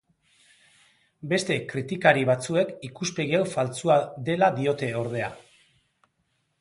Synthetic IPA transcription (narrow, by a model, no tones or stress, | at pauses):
be̞st̪e̞kɾit̪ikaɾiβ̞at͡sue̞kikuspe̞ɣiawfalt͡suad̪e̞laðio̞t̪e̞o̞ɾðe̞a